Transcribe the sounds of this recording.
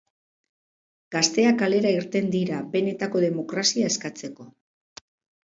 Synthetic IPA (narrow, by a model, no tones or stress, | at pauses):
ɡ̥ast̪e̞akale̞ɾaiɾt̪e̞nd̪iɾabe̞ne̞t̪ako̞ðe̞mo̞kɾasiaeskat͡se̞ko̞